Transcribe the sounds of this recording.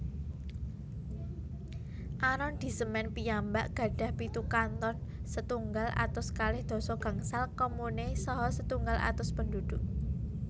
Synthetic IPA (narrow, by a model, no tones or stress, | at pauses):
ʔanɔnd̪̥i̤səmɛnpijamba̰ʔɡ̥ä̤ɖ̥a̤hpit̪ukant̪ɔnsət̪uŋɡalʔa̰t̪ʊskalɪhd̪̥ɔ̤sɔɡ̥ä̤ŋsalkɔmunesɔɦɔsət̪uŋɡala̰t̪ʊspənd̪ud̪̥ʊʔ